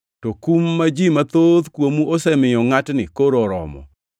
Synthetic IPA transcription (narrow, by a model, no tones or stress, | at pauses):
tokumːad͡ʒimat̪od̪kwomuosɛmɪjɔŋatnɪkoɾoɾɔ̰mɔ̰